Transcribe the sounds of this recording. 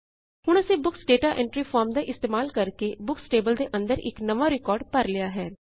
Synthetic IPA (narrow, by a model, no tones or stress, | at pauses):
ɦʊɳ̃ʊseːbʊksɖeːʈaːʔɛ̃ɳʈɾiːpʰaːɾmd̪aːʔɪst̪eːmaːlkəɾkeːbʊksʈeːbəld̪eːʔə̃nd̪əɾɪ̰knəʋaːɾɪkɔːɾɖpəɾlɪjaːɦɛː